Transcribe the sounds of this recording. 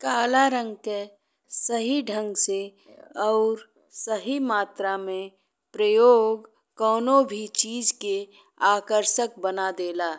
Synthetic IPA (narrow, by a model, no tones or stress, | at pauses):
kaːlaɾə̃ŋɡke | səɦiɖʱə̃ŋɡse | ɔʊɾ | səɦimaːt̪ɾamẽ | pɾəjoːɡ | kɔːnobʱit͡ʃiːd͡ʒke | aːkəɾʃək̚bənad̪eːlaː